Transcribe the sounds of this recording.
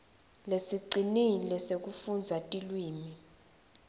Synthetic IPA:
lesiǀinilɛsek̬ʼufund͡zʱatʼilwiːmi

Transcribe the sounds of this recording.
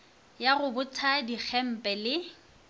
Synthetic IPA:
jaɣʊbʊtʰadik͡xʰɛm̩pʼɛlɪ

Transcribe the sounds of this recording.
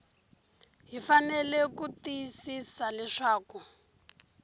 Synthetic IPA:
ɦifanɛlɛkutisisalɛʂaːku

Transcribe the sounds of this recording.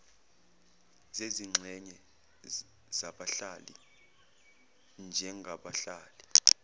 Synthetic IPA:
zeziŋ͡ǁʱɛɲɛ | zaɓaɬalḭ | nd͡ʒʱɛŋɡʱaɓaɬaːli

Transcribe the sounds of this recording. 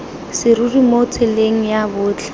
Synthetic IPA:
sɪrurimot͡sʰɪleŋ̩jabʊːt͡ɬʰɛ̥

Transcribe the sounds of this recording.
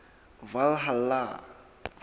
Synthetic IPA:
valɦala

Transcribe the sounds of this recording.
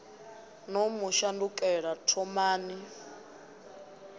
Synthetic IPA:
nɔmuʃandukʼɛɺatʰɔmaːni

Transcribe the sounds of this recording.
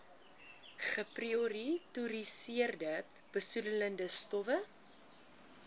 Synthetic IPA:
χəprioɾituɾisiərdəb̥əsudələndəstɔvə

